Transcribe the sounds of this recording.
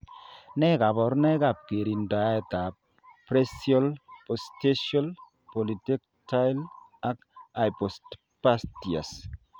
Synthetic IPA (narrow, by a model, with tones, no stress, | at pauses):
nɛ˦ka˨bɔ˨ɾnɛ˦ka˨p̚ke˨ɾi˨nda˨˦ɛ˨t̪a˨p̚ | pɾɛ˦sjɔ˦lpɔ˨ste˦ʃɔ˦l | pɔ˨li˨tɛ˦k | ta˦jla˦ka˨jpɔ˨st | pa˦sti˨a̰˨s